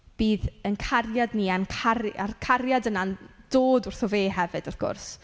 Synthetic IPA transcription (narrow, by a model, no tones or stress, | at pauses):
b̥iːðənkʰarjadniankʰararkʰarjadənand̥oːdʊrθɔveːɦɛvɨd̥ɔθɡ̥ʊ̰rs